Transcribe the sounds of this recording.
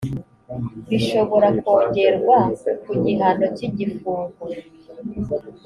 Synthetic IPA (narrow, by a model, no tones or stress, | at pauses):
βiʃo̞βo̞ɾako̞ːɲɟe̞ɾɡwakuɟiɦano̞ciɟifuːŋɡu